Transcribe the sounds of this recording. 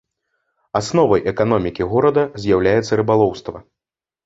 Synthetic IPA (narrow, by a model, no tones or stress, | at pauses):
asnɔvɐjʔɛkan̪ɔmʲikʲiɣɔɾɐd̪ɐzʲjawlʲajɛt̪sːɐɾɨbalˠɔwst̪vɐ